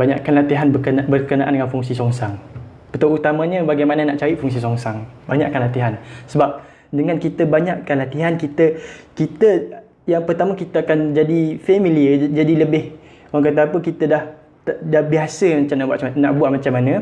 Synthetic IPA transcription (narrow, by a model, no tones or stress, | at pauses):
baɲa̰ʔkanlat̪iɦanbkənbərkənaʔandəŋanfuŋsisɔŋsaŋ | pət̪aut̪amãɲə̃baɡajmanənaʔt͡ʃaɾiʔfuŋs̬isɔŋsaŋbaɲa̰ʔkanlat̪iɦansəbap̚ | dəŋãnkit̪əbaɲaʔkanlat̪iɦankit̪əkit̪ə | jaŋpərt̪amakit̪əakand͡ʒadifemiliəd͡ʒadiləbɪh | oaŋkat̪̬aapəkit̪ədah̪ | dahbiasəmat͡ʃamnaʔbuaʔnaʔbuaʔmat͡ʃamːanə̃